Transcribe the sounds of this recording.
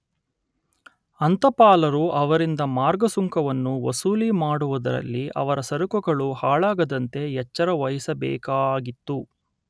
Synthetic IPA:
ɐnt̪ɐpaːlɐɾuʔɐʋɐɾind̪ɐmaːɾɡɐsuŋkɐʋɐnːuʋɐsuːlimaːɽuʋud̪ɐ̰ɾɐ̰lːiʔɐ̰ʋɐɾɐsɐɾukɔɡɐɭuhaːɭaːɡɐd̪ɐnt̪e̞jɛt͡ʃːɐɾɐʋɐjisɐbɛ̰ːkaːɡit̪ːu

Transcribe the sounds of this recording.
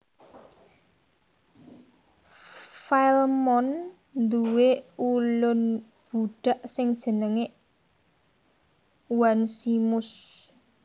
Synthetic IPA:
falmɔn | nd̪uweulʊn | b̥uɖ̥a̤ʔsɪŋd̥ʒ̥ə̤nəŋeʔ | wansimʊs

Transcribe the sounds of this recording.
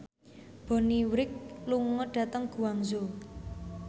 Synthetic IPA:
b̥ɔ̤niwɾɪk̚luŋɔɖ̥ä̤t̪əŋɡ̥ṳwaŋzo

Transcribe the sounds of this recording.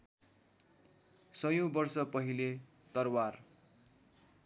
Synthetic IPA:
sʌjõbʌrsʌpʌɦile | t̪ʌrwar

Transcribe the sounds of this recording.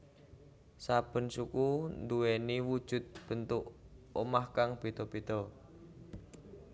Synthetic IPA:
sab̥ə̤nsukund̪uweniwud̥ʒ̥ʊ̤t̪̚b̥ənt̪ʊʔomahkaŋb̥it̪ɔpit̪ɔ

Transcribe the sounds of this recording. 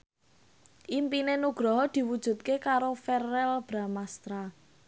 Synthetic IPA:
ʔimpinenuɡ̥ɾɔɦɔd̪̥i̤wud̥ʒ̥ṳt̪̚kekaɾofɛrɛlb̥ɾamast̪ɾa

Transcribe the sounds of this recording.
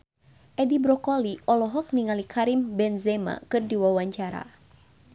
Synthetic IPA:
ʔɛdibɾɔkɔliʔɔlɔɦɔk̚niŋalikʰaɾimbɛnzɛma̰kɨrdiwawaɲt͡ʃaɾa̰

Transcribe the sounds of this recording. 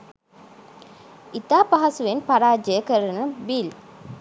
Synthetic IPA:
it̪aːpɐɦɐsuʋenpɐɾaːd͡ʒəjəkəɾɐnubil

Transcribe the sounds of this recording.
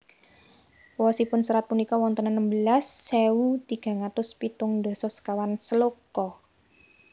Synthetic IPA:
wɔsipʊnsəɾat̪̚punikɔwɔnt̪ənanəmbəlasːewut̪iɡ̥a̤ŋat̪ʊspit̪ʊŋd̪ɔ̤sɔsə̥kawansəlokɔ

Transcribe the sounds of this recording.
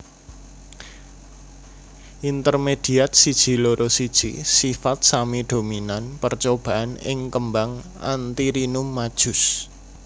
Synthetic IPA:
ʔint̪ərmed̪̥i̤at̪̚sid̥ʒ̥i̤loɾʔosid̥ʒ̥isifat̪̚samid̪̥o̤minanpərt͡ʃob̥a̤ʔanɪ̰ŋkəmbaŋʔa̰nt̪iɾinʊmːad̥ʒ̥ʊs

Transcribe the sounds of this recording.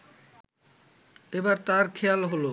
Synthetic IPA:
ebaɾt̪aɾkʰealɦolo

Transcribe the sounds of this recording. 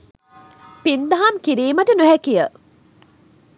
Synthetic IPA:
pind̪aɦamkiɾiːməʈənuɦækijə

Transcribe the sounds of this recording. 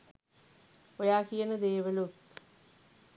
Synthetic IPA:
ojaːkijənəd̪eːʋəlut̪

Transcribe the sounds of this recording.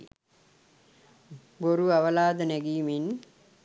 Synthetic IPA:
boɾuaʋəlaːd̪ənɛɡiːmin

